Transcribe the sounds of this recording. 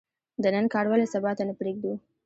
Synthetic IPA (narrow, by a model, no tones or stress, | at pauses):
d̪ənənkɑɽwɑlesabɑt̪anəpɾeɡ̚d̪u